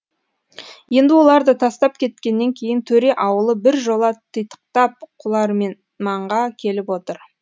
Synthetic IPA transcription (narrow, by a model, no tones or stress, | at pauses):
je̞nd̪ɪwo̞lˠɑɾd̪ət̪ʰɑst̪ɑp̚kʲʰe̞t̪kʲe̞nːe̞ŋkʲʰe̞jɪnt̪ʰɵɾe̞ʔɑwəlˠəbɪɾʒo̞lˠɑt̪ʰəjt̪ə̥q̚t̪ɑp̚qʰʊlˠɑɾmen | mɑɴʁɑkʲʰe̞lɪpwo̞t̪əɾ